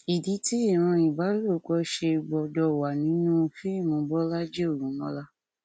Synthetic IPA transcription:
i˨di˨˦ti˦i˦˨ɾ̃ã˧i˨ba˨˦lo˦˨k͡pɔ˨˧˦ʃe˧ɡ͡bɔ˨dɔ˧˨wa˨nĩ˨˦nũ˦˧fi˦i˦˨mõ˨˧bɔ˦la˦d͡ʒe˦o˦˨ɾũ˨˦mɔ̃˦la˦

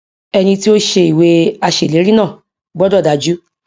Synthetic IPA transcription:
ɛ˧nĩ˧ti˦o˦ʃe˧i˨we˧a˧ʃe˨le˨˦ɾĩ˦nãː˦˨ | ɡ͡bɔ˦dɔ˦˨da˨˧d͡ʒu˦

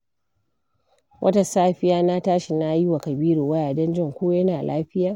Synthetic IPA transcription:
wʔɐ̰˦ta˨saː˦ɸɪ˦jaː˦na˦taː˦ʃɪ˨na˦ji˦wa˨kɐ˨biː˦ɽoː˨wɐ˦jaː˨dɐ˦nd͡ʒɪ˦ŋkʷuː˦jɐ˦naː˨lʔaː˦ɸɪ˦jaː˦

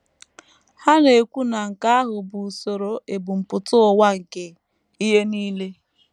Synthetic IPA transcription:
ha˦ne˨e˨kʷu˦na˨ŋ̩˨ka˦a˦ɦʊ˨bu˨so˨ɾo˨ʔe˨bu˨m̩˨pʊ˨tʊ˦ɔ˨wa˦ŋ̩˨ke˨ | i˦ɦe˦niː˦le˦

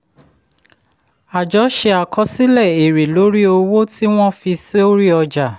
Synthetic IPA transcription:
a˨d͡ʒɔ˨˦ʃe˧a˨kɔ˧si˦lɛ˦˨e˨ɾe˨lo˨˦ɾi˦o˧wo˦ti˦w̃ɔ̃˦fi˧si˦o˦ɾi˦ɔ˧d͡ʒa˨

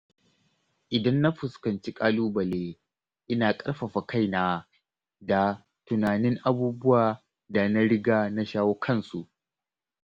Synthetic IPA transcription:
ʔɪ˨dɐ˦nːa˦ɸʊ˨skɐ˨nt͡ʃi˦kʼaː˦luː˦bɐ˨leː˦ | ʔɪ˦naː˨kʼɐ˦ɽɸɐ˨ɸa˨kʰa˦˨jna˦ | da˨ | tʊ˨naː˨nɪ˦ŋʔa˨buː˦bʊ˦waː˨ | da˨na˦ɽɪ˦ɡaː˦na˦ʃaː˦woː˦kʰɐ˦˨nsu˨ʔ

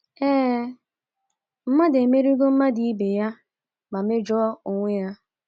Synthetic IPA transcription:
ɛː˦ | m̩˦ma˦de˨me˦ɾi˦ɡo˦m̩˦ma˦di˨i˦be˨ja˦ | ma˨me˦d͡ʒɔ˦o˨ŋʷe˦ja˦

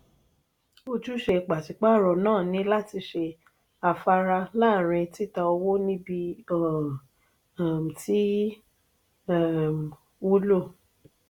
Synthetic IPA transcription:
o˧d͡ʒu˦ʃe˧˨k͡pa˨ti˨k͡pa˦˨ɾɔ˨nãː˦˨nĩ˨˦la˦ti˧ʃe˧ | a˧fa˧ɾa˧laː˦˨ɾ̃ɛ̃˧ti˦ta˧o˧wo˦nĩ˦bi˧˦˨ | m̩˨ti˦˨ | m˨ | u˦lo˦˨

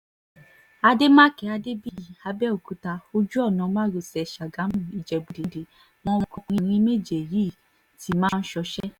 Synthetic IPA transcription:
a˧de˦mã˦kɛ˨˦a˧de˦bi˦˨a˧bɛ˦o˨ku˨˦ta˧o˧d͡ʒu˦ɔ˦˨nã˨˧˦mã˦˨ɾo˨sɛ˨ʃa˨ɡã˨˦mũ˦˨i˨d͡ʒɛ˨bu˨de˨de˨ | wɔ̃˧˦˧kɔ˧kĩ˧nĩ˧˦me˦d͡ʒe˨ji˦˨ | ti˨˦mãː˦˧n̩˦ʃɔ˧ʃɛ˦

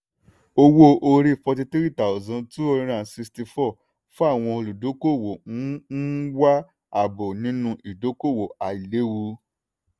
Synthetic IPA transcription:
o˧wo˦ʔo˧ɾi˧˨fɔ˧ti˧tɾi˦˨ta˨zã˨˧ntu˦o˧ɾĩ˧ɾ̃ã˦˨si˧sti˧fɔ˦˨ | fũ˦a˦˨w̃ɔ̃˧o˧lu˨do˨˦ko˦˨wo˨˦n̩˦wa˦ | a˦˨bo˨nĩ˨˦nũ˧ʔi˨do˨˦ko˦˨wo˨a˨i˨le˨˦wu˧

